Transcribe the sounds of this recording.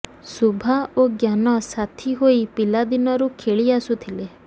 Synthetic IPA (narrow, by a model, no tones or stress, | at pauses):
subʱaoɡjanɔsat̪ʰiɦoipilad̪inɔɾukʰeɭiasut̪ʰile